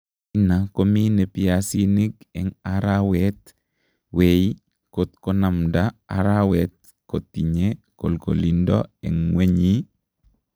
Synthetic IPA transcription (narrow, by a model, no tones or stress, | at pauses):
inakominepiasinikɛ̰ŋaɾawɛt̪ | wei | kot̪konamdaa̰ɾawɛt̪̚ | kotːiɲe | kolko̰lindɔ̰ɛ̰ŋweɲi